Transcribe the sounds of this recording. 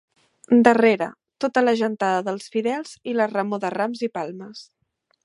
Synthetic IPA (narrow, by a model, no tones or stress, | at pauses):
d̪əreɾə̰ | t̪ot̪ələʒənt̪aðəðəlˠsfiðɛlˠz̥ilərəmoðəramzipalˠməs